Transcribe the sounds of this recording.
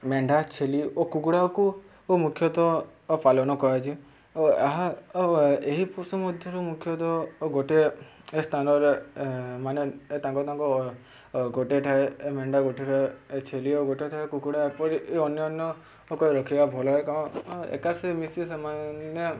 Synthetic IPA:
meɳɖʱat͡ʃʰeliokukuɽaku | omukʰjɔt̪ɔpalɔñɔkɔat͡ʃʰi | oaɦa | eɦipusɔmɔd̪ʱjɔɾumukʰjɔt̪̬ɔɡoʈeest̪ʰanɔɾemanet̪ãŋkɔt̪ãŋkɔ | ɡoʈeʈʰaemeɳɖaɡoʈʰeɾet͡ʃʰelioɡoʈeʈʰaekukuɽaepɔɾiʔeɔnjɔːnjɔ | okɔiɾɔkʰibabʱɔlɔekãḛkaɾsemisisamanɔ

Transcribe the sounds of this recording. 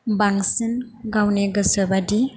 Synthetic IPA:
baŋsinɡawneɡəsabadi

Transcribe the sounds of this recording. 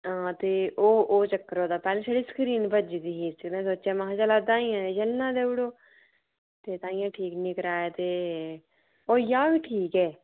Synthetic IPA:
ãːt̪eːʔoːʔoːt͡ʃəkːəɾoːd̪aːpɛːlẽːsəɽiːsə̥kɾiːnbəd͡ʒid̪iːɦiːsnɛ̃ːs̬oːt͡ʃãːmaɦãːd͡ʒaːlaːd̪ãːĩjãːd͡ʒəlːãːd̪eːʋɪɽoː | t̪eːt̪ãːɪ̃jãːʈʰiːknĩːkəɾaːeːt̪eː | oːjaːbiːʈʰiːkɛː

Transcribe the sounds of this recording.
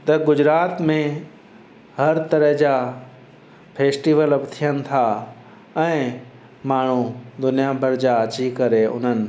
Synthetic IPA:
t̪ɐɡʊd͡ʑɾaːt̪mẽ | hɐɾt̪ɐɾəɦd͡ʑa | pʰeːsʈiːʋələpt̪ʰijənɪ̆t̪ʰa | ɛ̃ː | maːɳ̤ud̪ʊnijabʱəɾd͡ʑaət͡ɕikɐɾeʊ̰n̤ənɪ̆

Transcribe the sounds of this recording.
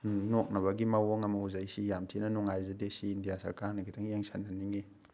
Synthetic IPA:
nok̚nɐβɐɡimawoŋɐmɐuzajsijamtʰinɐnuŋajzedesiːndijasɐɾkaɾnɐkʰitʰaŋjeŋsʰanːɐniŋi

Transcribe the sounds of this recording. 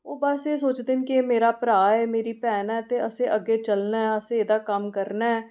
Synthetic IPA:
oːbəseːsoːt͡ʃd̪eːnkiːmeːɾaːpɾaːɛːmeːɾiːpɛːnaɛːt̪eːəsẽːʔəɡeːt͡ʃəlnaːɛəsẽeːd̪aːkəmkəɾnaːɛː

